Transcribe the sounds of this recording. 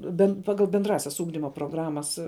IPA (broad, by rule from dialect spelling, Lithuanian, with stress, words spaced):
bʲɛnt ˈpɑːɡɐlˠ bʲɛnˈdrɑːsʲɛs ˈuːɡdʲɪmoː proːˈɡrɑːmɐs